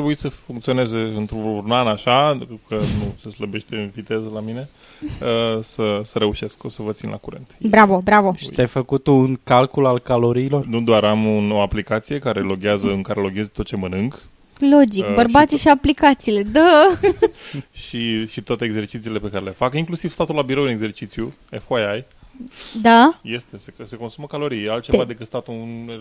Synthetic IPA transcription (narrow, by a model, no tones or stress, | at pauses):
t̪ɾebuisəfuŋkt̪sio̞ne̞ze̞ɨnt̪ɾuurnanaʃakənuse̞sləbe̞ʃt̪eɨnvit̪e̞zəlamine̞ | əsəsəɾe̞uʃe̞skosəvət̪sinlʔa̰kuɾent̪bɾavo̞bɾavoʃit̪ʲajfəkut̪uŋkalkulalkalo̞ɾiːlo̞rnud̪oaɾamuno̞aplikat̪sije̞kaɾe̞lo̞ɡʲiazəɨŋkaɾe̞lo̞ɡʲezt̪ot̪̚t͡ʃe̞mənɨŋɡ | lo̞d͡ʒikbərbat̪siʃiaplikat̪siːle̞d̪a | ʃiʃit̪oat̪eeːɡze̞rt͡ʃit̪ile̞pe̞kaɾele̞fakiŋklusivst̪at̪ulabiɾowɨneɡze̞rt͡ʃit̪sju | efajaj | d̪aje̞st̪esese̞ko̞nsuməkalo̞ɾijalt̪t͡ʃe̞vad̪e̞kɨt̪st̪at̪un